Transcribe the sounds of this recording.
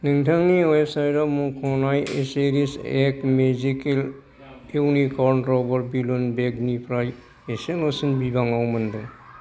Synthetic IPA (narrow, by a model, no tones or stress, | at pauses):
niŋtʰaŋniɔjesajɾamũkʰɔnajeseɾisekmezikel | ewnikɔnʈɾɔbɔɾbilunbeɡnipʰɾaj | esenosinbibaŋawmənd̪uŋ